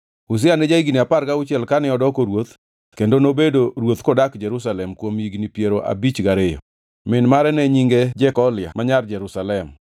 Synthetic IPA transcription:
us̬ɪanɛd͡ʒaiɡiniapaɾkaʊt͡ʃjɛlkanɪɔdɔkoɾwot̪ | kendonobedoɾwot̪kɔdakd͡ʒɛɾusalɛmkwomiɡnipjeɾoʔa̰bit͡ʃɡaɾejo̰ | mɪnmaɾɛnɛɲiŋɡed͡ʒɛkɔlɪja̰maɲard͡ʒɛɾusalɛm

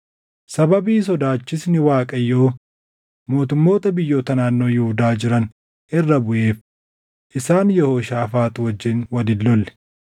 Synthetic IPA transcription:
sɐbɐbiːs̬ɔd̪aːt͡ʃːɪsnɪwaːkʼɐjːo̞ː | mo̞ːt̪ʊmːo̞ːt̪ɐbɪjːo̞ːt̪ɐnaːnːo̞ːjɪhʊd̪aːd͡ʒɪɾɐn | ʔɪrːɐbʊʔe̞ːf | ʔɪsaːnjɛho̞ːʃaːfaːt̪ʊwɐd͡ʒːɪnwɐd̪ɪlːɔlːɛ̥

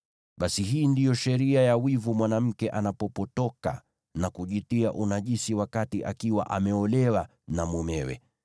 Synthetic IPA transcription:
ɓasiɦiːndijɔʃɛɾiajawivumwanam̩kɛʔanapɔpɔtɔka̰ | nakuʄitiaʔunaʄisiwakatiʔa̰kiwa̰ʔamɛɔlɛwa | namumɛwɛ̰

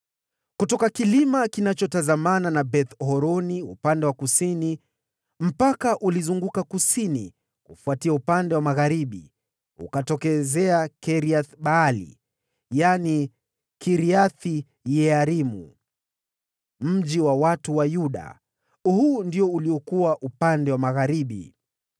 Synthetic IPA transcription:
kutɔkakilimakinat͡ʃɔtazamananabɛθhɔɾɔniṵpandɛwakusini | m̩pakaʔulizuŋɡukakusinḭ | kṵfuatiaupandɛwamaɣaɾiɓḭ | ṵkatɔkɛzɛakɛɾiaθɓaːlḭ | jani | kiɾiaθi | jɛaɾimṵ | m̩ʄiwawatuwajuɗa̰ | hundiɔuliɔkuwaʔupandɛwamaɣaɾiɓḭ

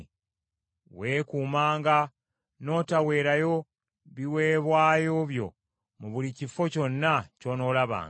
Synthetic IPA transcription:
we̞ːkuːmaːŋɡa | no̞ːtawe̞ːɾajo̞ | βiwe̞ːβwaːjo̞βjo̰ | muβulicifo̞co̞nːaco̞ːno̞ːlaβa̰ːŋ

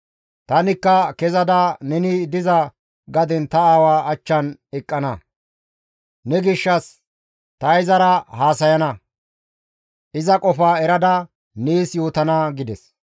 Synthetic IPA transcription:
t̪ɐnɪkːɐkɛzɐd̪ɐnɛnɪd̪ɪzɐ | ɡɐd̪ɛnt̪ɐaːwaːɐt͡ʃːɐnɛkʼːɐnɐ | nɛɡɪʃːɐs | t̪ɐjzɐɾɐhaːsɐjɐnɐ | ʔɪzɐkʼɔfaːɛɾɐd̪ɐ | niːsjoːt̪ɐnɐɡɪd̪ɛs

